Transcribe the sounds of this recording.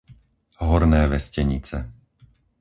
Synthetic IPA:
ɦɔɾnɛːʋɛscɛɲḭt͡sɛ

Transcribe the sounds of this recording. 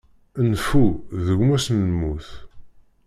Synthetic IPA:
ənfuðəʝmæsnəmuθ

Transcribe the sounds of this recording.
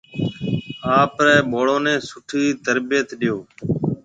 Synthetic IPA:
aːpɾɛːɓoːɽoːnẽːsʊʈʰiːt̪əɾbɪjət̪ɗɪjoː

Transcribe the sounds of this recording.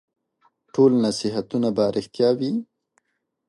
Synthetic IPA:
ʈolnasiɦat̪unabaɾʔɪxt̪jɑwi

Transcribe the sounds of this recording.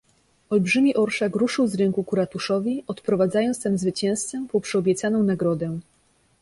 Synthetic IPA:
ɔlbʐɘmʲiʔɔɾʂakɾuʂɘwzɾɛŋkukuɾat̪uʂɔvʲiɔt̪pɾɔvad̪zajɔnt̪st̪ɛmzvɘt͡ɕɛ̃w̃st̪sɛmpɔwpʂɛɔbʲjɛt̪sanɔ̃w̃naɡɾɔd̪ɛ

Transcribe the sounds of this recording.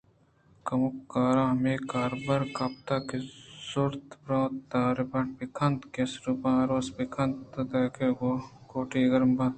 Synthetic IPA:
kɐmukːaːɾãːmeːkaːɾbɐɾkɐp̚t̪aːkesuɾt̪pɾõːt̪ːaːɾɪbɐnbikʰɐnt̪kesɾupãːɾoːsbikʰɐnt̪t̪ut̪eːkeːɡokoːʈiːɡɐɾmbɐ̃t̪

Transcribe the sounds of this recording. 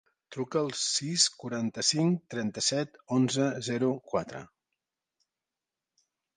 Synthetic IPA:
t̪ɾukəːlˠsiskuɾant̪əsiŋt̪ɾɛnt̪əsɛt̪onzəzɛɾukwat̪ɾə̰

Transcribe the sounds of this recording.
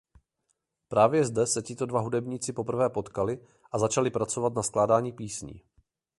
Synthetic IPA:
pɾaːvjɛzdɛsɛcɪt̪o̞dvaɦudɛbɲiːt͡sɪpo̞pr̩vɛːpo̞t̪kalɪ | ʔazat͡ʃalɪpɾat͡so̞vat̪nasklaːdaːɲiːpiːsɲḭː

